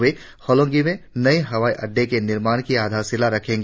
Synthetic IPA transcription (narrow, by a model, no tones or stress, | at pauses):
e | hɔːlɔ̃ːŋɡimẽnɐiɦɐʋaːiʔɐɖʱːekenɪɾmaːnkiaːd̪ʱaːɾsɪlaɾɐkʰẽːŋɡ